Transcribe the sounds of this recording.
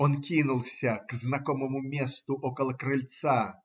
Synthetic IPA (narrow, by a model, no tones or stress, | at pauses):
ɔnkʲinʊlˠsʲɐkznɐkɔməmʊmʲest̪ʊʔɔkɐlˠɐkɾɨlʲt̪sa